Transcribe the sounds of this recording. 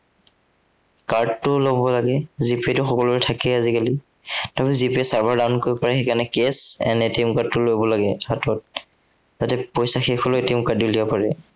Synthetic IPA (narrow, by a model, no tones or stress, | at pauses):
kaɹd̚tʊlobɔlaɡɛzipitʊxɔkɔlɔɹɛtʰakɛazikali | tapizipiesaɹbʱaɹdankoɹibɔpaɹɛxɛkanɛkesɛ̰nɛtemʊkatːʊlojbɔlaɡɛhatɔt̚ | zatɛpɔjsaxexʰɔlotemukadilibɔpaɹɛ